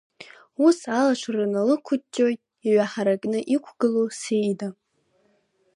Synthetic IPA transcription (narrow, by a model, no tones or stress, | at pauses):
usalaʃʷranalɨkʷʰʊt͡ʃʼːo̞jtʼ | iʕʷaħaɾakʼnɨʔikʷʰɡɨlosejda